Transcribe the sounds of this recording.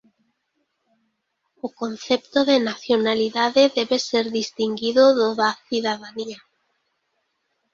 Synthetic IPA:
ʊkon̟θɛpt̪oðenaθjonaliðaðeðɛβeseɾðist̪iŋɡiðoðoðaθiðaðania

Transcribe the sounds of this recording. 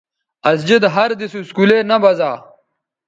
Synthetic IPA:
ɐs̬d͡ʑid̪ɦɐɾd̪isuskulenɐbɐzaː

